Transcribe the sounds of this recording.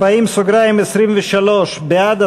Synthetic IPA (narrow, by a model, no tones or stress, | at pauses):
aimsoɡɾaimesɾimveʃalo̞ʃbead̪a